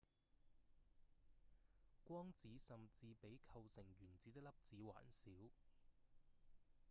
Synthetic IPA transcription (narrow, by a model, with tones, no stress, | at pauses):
kʷɔː˥ŋt͡siː˨˥sɐ˨mt͡siː˧pe˨˥jkʰɐ˧wsɪ˨˩ŋjyː˨˩nt͡siː˨˥t̪ɪ˥k̚lɐ˥p̚t͡siː˨˥wa̰ː˨˥nsiː˨˥w